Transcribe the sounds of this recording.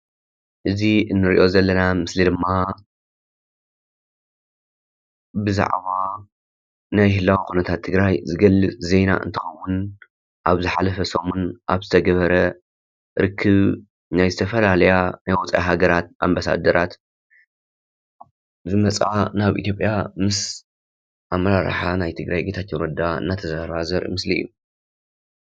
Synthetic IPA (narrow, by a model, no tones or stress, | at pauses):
ʔɨziʔɨnːɨɾiʔo̞zɐlːɐnamɨslid̪ɨmːa | bɨza̰ʕβa | najhɨlːawikunɐt̪ʰat̪ʰːɨɡɾajzɨɡɐlːɨt͡sʼze̞jna̰ʔɨ̰nt̪ʰɨxɐwːun | ʔaβzɨħalɐfɐsomunʔaβzɨt̪ʰɐɡɐβɐɾɐ | ɾɨkʰːɨβ | najzɨt̪ʰɐfɐlalɐjanajwɔt͡sʼʕa̰ɦaɡɐɾat̪̚a̰mbasa̰d̪ɐɾat̪ | zɨmɐt͡sʼanaβʔḭt̪ʰjo̞pʼjamɨs | ʔamɐɾaɾħanajt̪ʰɨɡɾajɡet̪ʰat̪jɛɾɐd̪aɨ̰nːat̪ʰɐzahɾβazɐɾʔḭmɨsliːu